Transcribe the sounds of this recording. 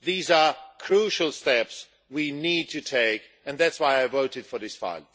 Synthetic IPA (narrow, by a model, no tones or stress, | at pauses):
ðizə˞kʰɹ̥uʃəl̩ˠstɛps | winid̚tʰɨtʰeɪk | ɨ̃nðætswaɪaɪvoʊɾɨd̥fə˞ðɪsfa̰ɪlˠ